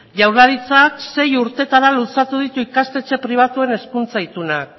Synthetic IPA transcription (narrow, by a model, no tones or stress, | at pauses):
ʝawɾlaɾit͡sakse̞juɾt̪e̞t̪aɾalusat̪uð̞it̪uikast̪e̞t͡se̞pɾiβ̞at̪ue̞ne̞skunt͡sajt̪unak̚